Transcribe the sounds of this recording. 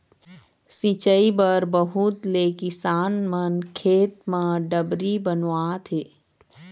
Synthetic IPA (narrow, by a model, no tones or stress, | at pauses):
sit͡ʃəibəɾbəɦut̪leːkɪsaːnmənkʰeːt̪̚mə̃ɖəbɾibənwaːt̪ʰeː